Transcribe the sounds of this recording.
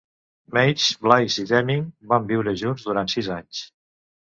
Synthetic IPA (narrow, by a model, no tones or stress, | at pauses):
mejt͡ʃblajziðɛmiŋbambiwɾəʒunzðuɾant̪sizaɲs